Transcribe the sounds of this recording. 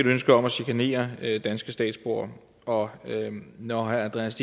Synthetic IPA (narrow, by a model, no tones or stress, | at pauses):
æd̥uønsɡ̥ɐɒ̽mæsikʰæne̝̰ːɐd̥ænsɡ̥əsd̥ɛ̰ːd̥sb̥o̝ɐ | ɒ̽ønɒhæænd̥ʁeæsd̥i